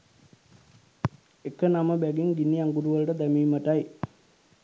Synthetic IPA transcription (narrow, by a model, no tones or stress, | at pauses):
ekənaməbæɡiŋɡinːiaŋɡuɾuʋəlʈəd̪æmiːməʈaj